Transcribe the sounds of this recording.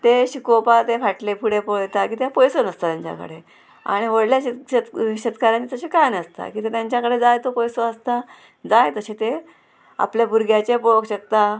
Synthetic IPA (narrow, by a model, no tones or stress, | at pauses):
t̪eɕikopat̪efaʈlepuɽepojt̪akiːt̪japɔjsonəst̪at̪jaɲt͡ɕa̰kə̰ɽe | a̰ɽ̃iʋəɽljaɕət̪ɕət̪kaɾãt͡ɕit̪əɕekajnəst̪a̰kiːt̪et̪jaɲt͡ɕakəɽed͡zajt̪opɔjsoəst̪a | d͡zajt̪əɕet̪e | a̰pljabuɾɡʱjat͡ɕepokɕək̚t̪a